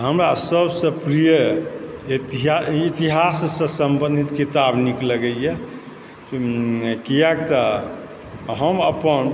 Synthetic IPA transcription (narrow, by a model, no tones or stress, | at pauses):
ɦəmɾasəbsə̃pɾijə | iiɦit̪iɦassə̃səmbə̃nd̪ʱit̪kit̪abnikləɡəjɛ | kijak̚t̪ə | ɦəməpən